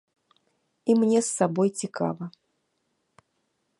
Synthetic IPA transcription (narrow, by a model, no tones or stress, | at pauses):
imnʲɛsːabɔjt͡sʲikʰa̰vɐ